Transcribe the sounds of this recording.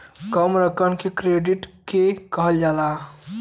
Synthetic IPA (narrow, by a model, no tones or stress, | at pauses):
kəmɾəkənkekɾeɖiʈkekəɦəld͡ʒala